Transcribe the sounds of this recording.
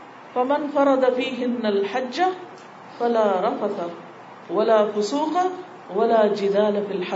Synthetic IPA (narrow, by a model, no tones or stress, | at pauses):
famanfɑɾˤɑd̪afiːɦɪnːalħad͡ʒːa | falaːɾˤɑfat̪a | walaːfʊsuːqa | walaːd͡ʒɪd̪aːlafilħa